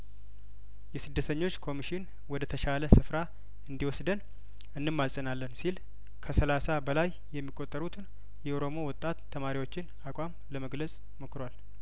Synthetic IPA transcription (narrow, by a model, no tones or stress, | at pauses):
jɛsɨd̪ːət̪ʰəɲːo̞t͡ʃːkʰo̞miʃɪn | wɔd̪ət̪ʰəʃaləsɨfɾa | ɨnd̪iwɔsd̪ən | ɨnːɨmːaənalːənsil | kʰəsəlasabəlaj | jɛmːikʼːo̞t̪ʼːəɾut̪ʰɨn | jɛʔoɾo̞mo̞wɔt̪ʼːat̪ʰːəmaɾiwo̞t͡ʃːɪn | akʷʼamləməɡləsʼ | mokɨɾwal